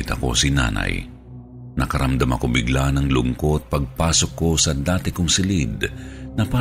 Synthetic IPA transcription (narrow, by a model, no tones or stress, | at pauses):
t̪ɐko̞̰sina̰ːna̰j | nɐkɐɾɐmd̪amɐ̰kobɪɡlanɐŋlʊŋko̞t̪̚pɐɡ̚paːsokːo̞sɐd̪aːt̪ɪkʊŋsɪlid̪nɐpa